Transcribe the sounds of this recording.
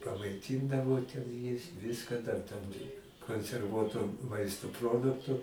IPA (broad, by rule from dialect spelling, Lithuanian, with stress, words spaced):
pɐmɐɪˈtʲiːndɐʋoː tʲɛn ˈjɪs ˈʋʲɪskɐ dɐr tɐm ɪ koːnʲsʲɛrˈʋuɔtoː ˈmɐɪstoː ˈproːdʊktʊ